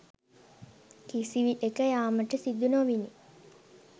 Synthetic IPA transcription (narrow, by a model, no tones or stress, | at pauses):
kisiʋiekəjaːməʈəsid̪ːunoːʋini